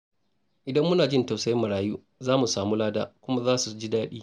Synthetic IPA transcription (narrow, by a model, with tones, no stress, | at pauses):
ʔɪ˨dɐ˦mːʊ˦naː˨d͡ʒɪ˦nta˨wsa˦jmːɐ˨ɽaː˨juː˦ | zaː˦mu˨saː˨muː˦laː˦da̰ː˦kʷʊ˦ma˦zaː˦su˨d͡ʒi˦daː˦ɗiː˦